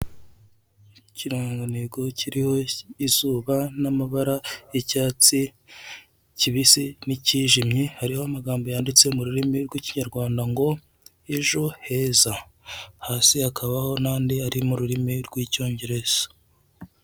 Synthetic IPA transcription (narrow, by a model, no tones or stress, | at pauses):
ciɾoːŋɡoneɡo̞ciɾiho̞izuːβanamaβaɾaecaːt͡si | ciβisiniciːʒimɲihaɾihoamaɡaːmbo̞jaːndit͡se̞muɾuɾimiɾɡwiciɲaɾɡwaːndaŋɡo̞ | eʒo̞he̞ːzahaːsihakʰaβaho̞naːndiaɾimuɾuɾimiɾɡwiːco̞ːɲɟe̞ɾe̞z̥o̥